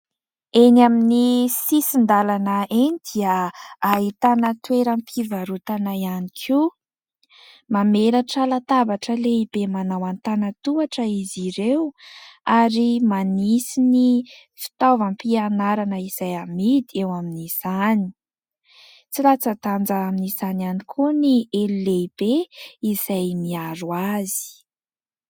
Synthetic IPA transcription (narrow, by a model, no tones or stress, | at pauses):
enaminisisind̪alanəʔenid̪̥iəːɦit̪anət̪weɾampʰivaɾut̪anaianikʰi | mameɾaʈ͡ʂəlat̪avaʈ͡ʂəleib̥emanawant̪anət̪uaʈ͡ʂəiziɾewaɾimanisini | fi̥t̪ovampianaɾanəiz̥ajamid̪iewaminiz̥ani̥ | t͡silat͡sət̪and͡zaːminizananikʰunieluleib̥eiz̥ajmiaɾuazi̥